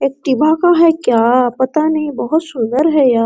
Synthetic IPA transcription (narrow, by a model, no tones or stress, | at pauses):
eːk̚ʈibʱakaɦɛkjaːpɐt̪anɐɦĩbɐɦʊt̪sʊ̃nd̪əɾɦɛjaː